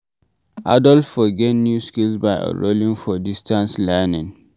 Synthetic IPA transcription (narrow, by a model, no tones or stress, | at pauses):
ʔa̰dɔltfɔɡɛtnjuskilsbaɪə̰ɹolĩŋfɔdistãnslɛnɪ̃n